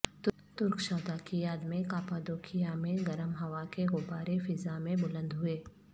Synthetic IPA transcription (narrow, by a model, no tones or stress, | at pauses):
t̪ | t̪ʊɾkʃɔːd̪akijaːd̪mẽkaːpad̪oːkʰijamẽɡɐɾəmɦɐʋakeɣʊbaːɾefɪzamẽbʊlə̃nd̪ɦʊeː